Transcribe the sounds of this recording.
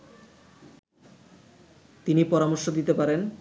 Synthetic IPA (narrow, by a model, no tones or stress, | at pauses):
t̪inipɔɾamoɾʃod̪it̪epaɾen